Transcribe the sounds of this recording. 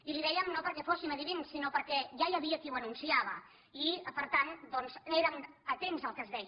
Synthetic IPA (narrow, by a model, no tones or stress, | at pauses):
iliðɛjəmnopəɾkɛfosiməðiβinsinopəɾkɛʒajəβiəkiwənunsiaβ̞ə | ipəɾt̪and̪ɔnzeɾəmət̪emzəlˠkəzðɛj